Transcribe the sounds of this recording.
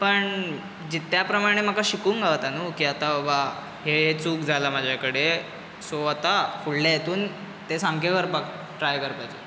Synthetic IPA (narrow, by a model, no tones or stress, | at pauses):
pəɳ | d͡ʑit̪japɾəmaɽ̃em̤əkaɕikuːŋɡʱaʋt̪anukiat̪abəba | ɦeɦet͡suːkd͡zʱalamad͡ʑʱjakəɽe | soat̪afuɽlajet̪uːn | t̪esãŋkeʋəɾpak | ʈɾajkəɾpat͡ɕḭː